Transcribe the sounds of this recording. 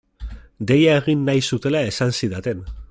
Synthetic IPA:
d̪e̞jaeɣ̞inːajsut̪e̞lae̞sansiðat̪e̞n

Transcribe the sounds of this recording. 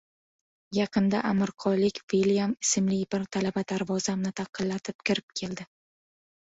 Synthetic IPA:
jɑqʰɨnd̪aʔamɪɾqʰɒlɪkʲviljamɪsɪmlɪjbɪɾt̪ʰalabad̪aɾvɒzamnɪt̪ʰɑqʰːɨlːat̪ʰɪp̚kʲʰɪɾɪp̚kʲʰe̞ld̪ɪ

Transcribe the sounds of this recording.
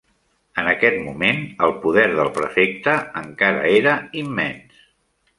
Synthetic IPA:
ənəkɛt̪mumenəlˠpuðɛɾðəlˠpɾəfek̚t̪əəŋkaɾə̰eɾəimːɛns

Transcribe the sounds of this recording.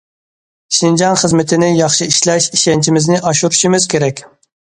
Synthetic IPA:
ʃind͡ʒɑnχəzmɪt̪ʰɪnɪjɑχʃiiʃlɛʃiʃɛnt͡ʃʰimɪznɪʔɑʃuɾuʃimɪz̥kʲʰeɾɛkʲ

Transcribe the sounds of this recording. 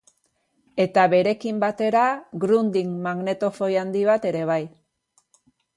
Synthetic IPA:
e̞t̪aβe̞ɾe̞kimbat̪e̞ɾaɡɾund̪iŋmaɣne̞t̪o̞fo̞jand̪iβat̪e̞ɾe̞β̞aj

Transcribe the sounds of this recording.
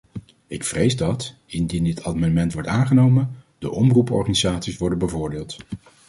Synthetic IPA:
ɪkfrejzdɑtɪndindɪtʰamɛnəmɛntʋɔɹtaːnχənowməndəʔɔmrupɔ̰ɹχanizaːtsisʋɔɹdənbəvʊːɹdɪːlˠt

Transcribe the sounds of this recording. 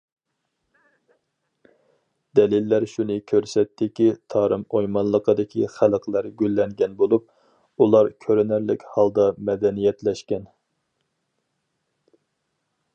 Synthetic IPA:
d̪̥ɛlɪlːæɾʃunɨkʲʰøɾsɛt̪ːɪkʲit̪ʰɑːɾɨmojmɑnlˠəqʰəd̪ɪkʲʰiχæləqʰlˠæɾɡʲylːɛŋɡʲɛnbolˠup̚ | ulˠɑɾkʲʰøɾɛnæɾlɪkʲhɑlˠd̪ɑmɛd̪ɛnijɛt̪lɛʃkʲɛn

